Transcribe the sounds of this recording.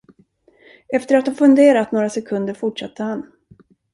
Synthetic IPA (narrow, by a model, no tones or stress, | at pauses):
ɛft̪əɾat̪hɔmfɵnd̪eːɾat̪noːɾasɛkʰɵnd̪əɾfʊʈʂat̪ʰːəhan